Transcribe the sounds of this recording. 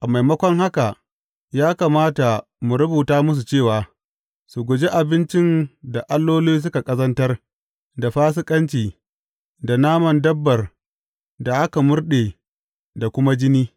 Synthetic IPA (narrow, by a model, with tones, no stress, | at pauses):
ʔa˨ma˨jmɐ˦kʷɔ˦ŋha˦ka˨ | jaː˦kaː˨maː˦ta˨ | mʊ˨ɾʊ˦buː˨taː˦mʊ˦s̬u˨t͡ʃeː˦˨waː˨ | su˨ɡʷʊ˨d͡ʒe˦ʔa˨bɪ˦nt͡ʃɪ˦nda˨ʔa˦lːoː˦loː˦s̬ʊ˦ka˨kʼɐ˦zɐ˦ntɐ˦r | da˨ɸaː˦s̬ɪ˦kʼɐ˦nt͡ʃiː˨ | da˨naː˦mɐ˨ndɐ˦bːɐ˨r | da˨ʔa˦ka˨mʊ˦rɗeː˨ | da˨kʷʊ˦ma˦d͡ʒɪ˦niː˦